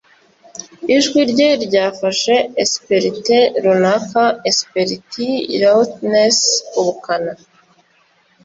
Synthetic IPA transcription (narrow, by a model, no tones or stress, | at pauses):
iʒɡwiɾɟeɾɟaːfaʃe̞espeɾiteɾonafaespeɾitʰiɾatnesuβukana